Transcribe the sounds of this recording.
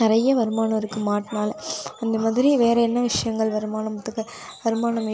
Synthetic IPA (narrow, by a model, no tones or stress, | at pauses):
ɪɾɐjɐʋɐɾɯmaːnɐɐɾɯkːɯmaːʈːnaːlɐnd̪ɐmɐðɪɾiʋeːɾɐɛnːɐʋɪʂɐjɐŋɡɐɭʋɐɾɯmaːnɐmɐt̪ːɯkːɐ | ʋɐɾɯmaːnɐmi